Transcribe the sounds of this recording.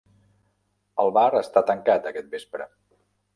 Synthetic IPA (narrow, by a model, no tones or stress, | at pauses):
əlˠβaɾəst̪at̪əŋkat̪əkɛt̪̚bespɾə